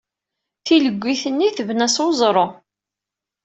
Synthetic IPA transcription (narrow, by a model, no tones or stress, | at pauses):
θiləɡʷːiθənːiθəvnæsozˤɾˤo